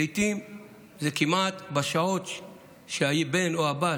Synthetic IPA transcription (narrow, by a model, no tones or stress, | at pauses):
itim | zekimat̪baʃaot̪ | ʃeajibenoaba